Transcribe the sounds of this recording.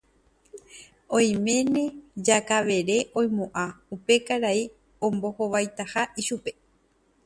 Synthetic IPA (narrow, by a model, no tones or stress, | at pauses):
õj̃mẽ̞nẽ̞d͡ʒakaʋe̞ɾe̞ʔõj̃mõʔaupe̞kaɾai | õmbohoʋajt̪ahaʔiʃupe̞